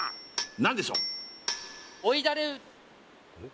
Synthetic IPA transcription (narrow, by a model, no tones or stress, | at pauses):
nãnd̪eɕo̰ː | oid̪aɾeɯ